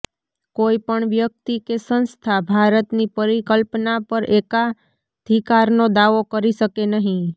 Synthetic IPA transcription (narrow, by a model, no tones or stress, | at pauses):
koːipəɳʋjək̚t̪ikesə̃nst̪ʰabʱaɾət̪nipəɾikəlpnapəɾʔeːka | d̪ʱikaɾnod̪aʋokəɾisəkenəɦĩ